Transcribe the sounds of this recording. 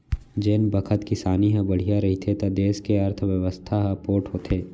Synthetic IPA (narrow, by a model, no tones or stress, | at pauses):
d͡ʒeːnbɐkʰət̪kɪsaːniɦə̃bɐɽ̤ijaɾɐɦit̪ʰet̪ɐd̪eːʃkeɐɾt̪ʰəʋjɐʋəst̪ʰaɦpoːʈɦoːt̪ʰeː